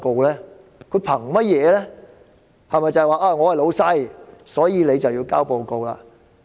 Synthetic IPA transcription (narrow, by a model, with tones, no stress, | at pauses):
ko˨wlɛː˥ | kʰɵ˨˧ɥpʰɐ˨˩ŋmɐ˥t̚jɛː˨˧lɛː˥ | hɐ˨jmɐ˨jt͡sɐ˨jwaː˨˩ʔaː˧ŋɔː˨˧hɐ˨jlo˨˧wsɐ˥jsɔː˨˥jiː˨˧le˨˧jt͡sɐ˨wjiː˧wkaː˥wpo˨˧wko˨wla̰ː˧